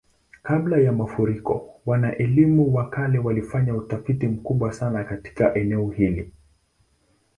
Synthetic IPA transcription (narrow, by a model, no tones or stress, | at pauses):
kablajamafuɾikɔ̰wanaʔɛlimuwakalɛwalifaɲautafitim̩kuɓwasanakati̥kaʔɛnɛɔhili